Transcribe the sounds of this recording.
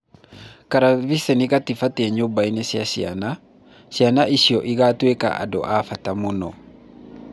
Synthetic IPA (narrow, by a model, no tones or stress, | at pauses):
kaɾaβisɛniɣatifatɛɲombainesjaɕia̰na | ɕianaʔiɕiɔʔiɣatweka̰ʔa̰do̰ʔafatamonɔ